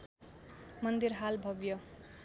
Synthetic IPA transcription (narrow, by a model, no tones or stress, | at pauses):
mʌnd̪iɾɦalbʱʌbjʌ